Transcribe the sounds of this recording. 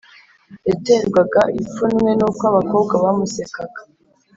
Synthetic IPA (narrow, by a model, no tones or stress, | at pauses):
eteːŋɡwaɡaip͡funwe̞nukwaβako̞ːb̚ɡaβamusekaɡḁ